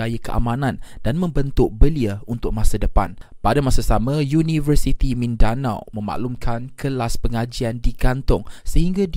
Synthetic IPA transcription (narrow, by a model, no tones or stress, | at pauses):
ajakəʔa̰mãnãnd̥anmə̃mbənt̪ʊʔ̚bəliaunt̪ʊk̚mãsadəpa̰npadamasasamãjunivərsit̪imĩndana̰wmə̃ma̰ʔlumkʰankʰəlaspəŋad͡ʒiandiɡant̪ʊŋsəhiŋɡad